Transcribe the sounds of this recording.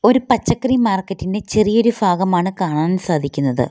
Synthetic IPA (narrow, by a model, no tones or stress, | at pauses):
o̞ɾupɐt͡ɕːɐkːrimaːrkːɐtːinde̞t͡ɕe̞rijo̞ɾubʱaːɡɐmaːɳɨkaːɳaːnsaːd̪ʱikʲːunːɐðɨ̰